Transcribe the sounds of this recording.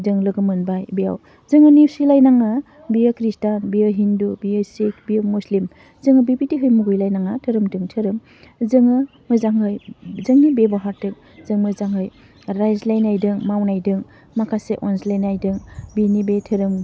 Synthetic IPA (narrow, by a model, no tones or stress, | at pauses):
dɯŋlɯɡɯmɯnbajbija̰w | zɯŋɯniwsilajnaŋa | biəkɾistanbiɯɦindubiɯsek̚ʰbiɯmuslim | zɯŋɯbibitiɦɯjmuɡɯjlajnaŋatʰɯɾɯmdɯŋtʰɯɾɯm | zɯŋɯ | mɯzaŋɦɯjzɯŋnibebaɦaɾtɯŋ | zɯŋmɯzaŋɦɯj | ɾajzlajnajdɯŋmawnajdɯŋ | makʰaseʔɔnslajnajdɯŋbinibetʰɯɾɯm